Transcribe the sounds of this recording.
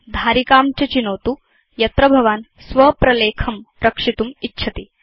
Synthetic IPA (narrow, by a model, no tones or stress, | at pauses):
d̪ʱaːɾikaːmt͡ʃɐt͡ʃinoːt̪u | jɐt̪ɾɐbʱɐʋaːn | sʋɐpɾɐleːkʰɐmɾɐkʂit̪umitːʃʰɐt̪i